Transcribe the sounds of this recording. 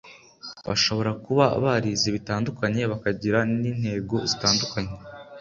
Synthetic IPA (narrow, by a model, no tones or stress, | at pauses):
βa̰ʃo̞βo̞ɾakuβaa̰βaɾiziβitaːndukaɲe̞βakaɟiɾaniːn̥he̞ːɡo̞zitaːndukʰaɲe